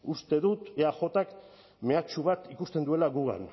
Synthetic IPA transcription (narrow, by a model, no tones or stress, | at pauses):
ust̪e̞ðut̪eaxo̞t̪ak | me̞at͡ʃuβat̪ikust̪e̞nd̪ue̞laɣuɣa̰n